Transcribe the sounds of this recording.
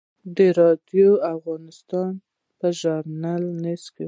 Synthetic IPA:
d̪əɾɑd̪joafɣɑnɪst̪ɑn | pəʒaɾnalneske

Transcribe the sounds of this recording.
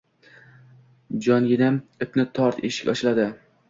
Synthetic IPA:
d͡ʒɒnɡʲɪnamɪpnɪt̪ʰɒɾt̪eʃɪ̥kʲɒ̰ʃɪlad̪ɪ

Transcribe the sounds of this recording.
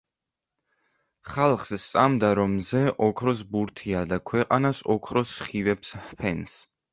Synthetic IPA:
χalˠχsst̪sʼamd̪aɾɔmzɛʔɔkʰɾɔs̬buɾt̪ʰiad̪akʰwɛqʼanasɔkʰɾɔsχivɛpshpʰɛns

